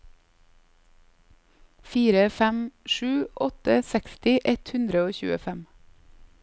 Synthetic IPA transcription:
fiːɾəfɛmʃʉːʔɔt̪əsɛkst̪ɪʔɛt̪hʉnd̪ɾəoːçʉ̰ːəfɛm

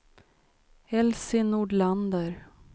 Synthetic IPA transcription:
ɛlsɪnuːɖɭand̪əɾ

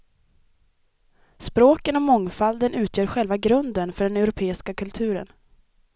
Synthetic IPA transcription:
spɾoːkənɔmɔŋfald̪ənʉ̟ːt̪ʰjœːɾɧɛlvaɡɾɵnd̪ənfœɖɛnɛʊɾʊpʰeːɪskakʰɵlt̪ʰʉ̟ːɾə̰n

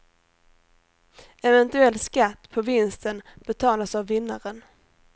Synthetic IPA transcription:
ɛvɛnt̪ɵɛlːskat̪ːpʰɔvɪnst̪ənb̥ɛt̪ʰɑːlasavːɪnːaɾən

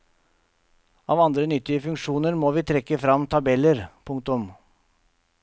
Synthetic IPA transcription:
ɑːʋɑnd̪ɾənʏt̪ːɪəfʉŋkʂuːnəɾmoːʋiːt̪ʰɾɛkːəfɾɑmt̪ʰɑbɛləɾpʰʊŋk̚t̪ʊm

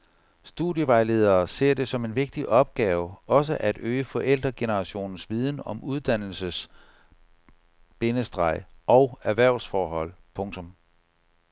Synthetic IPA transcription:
sd̥uðˠjəʋɑ̈ɪle̝ð̞ˠɐːse̝ɐ̰d̥e̝sɒ̽me̝nʋe̝ɡ̥̚d̥iʔɒ̽b̥̚ɡ̥ɛːʊɒ̽s̬əʔæd̥øːəfɒ̽ʔel̰d̥ʁɐɡ̥e̝nəʁɑ̈ɕo̝̰ːnn̩sʋið̞ˠn̩ɒ̽mʔuð̞ˠd̥æn̰l̩səs | b̥e̝nəsd̥ʁɑ̈ɪ̰ʔɒ̽ʊæɐʋæɐ̰ʊ̰sfɒːɦɒ̽l̰pʰɔ̽ŋt͡sʰɔ̽m

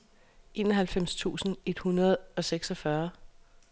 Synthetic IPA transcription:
ʔe̝ːnɒ̽ɦælfem̰st͡sʰṵːsn̩e̝d̥hunɐð̞ˠɒ̽seɡ̥sɒfɶɐ

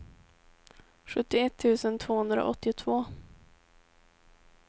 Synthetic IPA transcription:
ɧɵt̪ːɪɛt̪ʰːʉ̟ːsənt̪ʰv̥oːhɵnd̪ɾa̰ʔɔt̪ːɪt̪ʰvoː

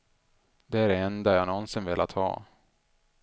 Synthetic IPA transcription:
d̪̥ɛæɾɛnd̪ajanɔnsɪnvɪlʔa̰t̪hɑ̰ː

